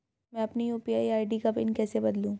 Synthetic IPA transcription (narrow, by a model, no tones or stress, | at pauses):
mɛ̃ɐpnijuːpiaːiaːɪɖikɐpɪ̰nkɛːsebɐd̪lũː